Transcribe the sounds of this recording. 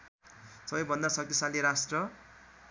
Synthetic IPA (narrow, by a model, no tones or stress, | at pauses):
sʌbʌjbʱʌnd̪asʌk̚t̪isaliɾasʈrʌ